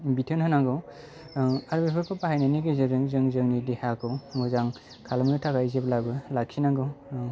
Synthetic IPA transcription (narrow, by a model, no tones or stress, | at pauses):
bitʰɯnhɯnaŋɡɯw | aɾbepʰɯpʰɯpaɦajnajneɡɯzɯdɯŋzɯŋzɯŋnidehakʰɯwmɔzaŋ | kʰalmɾɯtʰakajzeblabɯlaksʰinaɡɯw